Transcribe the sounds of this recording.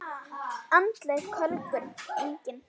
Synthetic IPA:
ansleɣkʰœlkʏɾeɲcɪn

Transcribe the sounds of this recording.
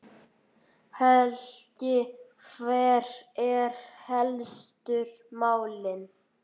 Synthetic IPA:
hɛlcɪkʰvɛɾɛɾ̥hɛlst̪ʏɾ | maːwlɪn

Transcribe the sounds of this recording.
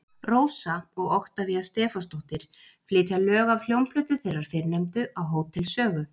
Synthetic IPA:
roːwsaɔɣɔxt̪aviast̪ɛːfɔst̪oht̪ɪɾ̥ | flɪːt̪jalœːɣavl̥jowmpʰlʏːt̪ʏθejraɾ̥fɪɾnejmt̪ʏʔawɦoːwt̪ʰːɪlsœːɣʏ

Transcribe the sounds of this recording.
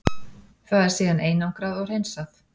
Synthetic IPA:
kʰvaðɛɾ̥siːðaneːjnawŋkɾaðɔɣr̥ejnsaθ

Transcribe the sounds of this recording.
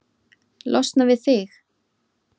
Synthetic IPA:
lʔɔ̰st̪navɪðθɪx

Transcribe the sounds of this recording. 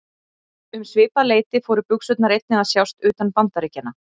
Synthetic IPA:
ʏmsvɪːpaleːjt̪ɪfɔːɾʏpʏksʏt̪naɾejt̪̚nɪðasjawst̪ʏːt̪anpant̪aɾecɛnːa

